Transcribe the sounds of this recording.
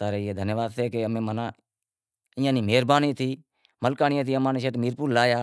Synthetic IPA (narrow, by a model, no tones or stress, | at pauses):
t̪aːɾeːɦeːd̪ʱənjəʋaːd̪̚t̪ʰeːkeəmẽːmənãː | ɪːjãːniːmeːɾbaːniːt̪ʰiː | məlkaːnɪjãːt̪̬ʰiːəmãːniːʃeːʈmiːɾpuːɾlaːjaː